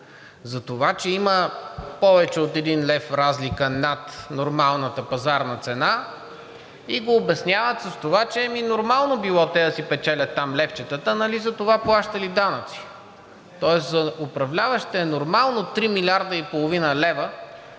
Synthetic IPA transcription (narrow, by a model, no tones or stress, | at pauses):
zɐt̪ovat͡ʃɛiməpɔvɛt͡ʃɛot̪ɛd̪inlɛfɾazlikənɐt̪noɾmalˠnət̪əpɐzaɾnɐt̪sɛna | iɡoːbɛsnʲjavət̪sɐst̪ovat͡ʃɛɛminoɾmalˠnobilˠɔt̪ɛd̪ɐsipɛt͡ʃɛlʲɐt̪ːamlɛft͡ʃɛt̪ət̪ənɐlizɐt̪ovaplˠaʃt̪ɐlid̪anət̪si̥ | t̪ɔɛszɐopɾɐvlʲavəʃt̪ɛɛnoɾmalˠnot̪ɾimilʲaɾd̪əipolˠovinəlɛvə